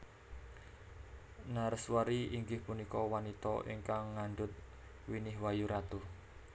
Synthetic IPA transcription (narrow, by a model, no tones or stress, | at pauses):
naɾəswaɾiʔiŋɡɪhpunikɔwanit̪ɔ̰ʔḭŋkaŋːaɳɖʊt̪̚ | winɪɦwajuɾʔat̪ʊh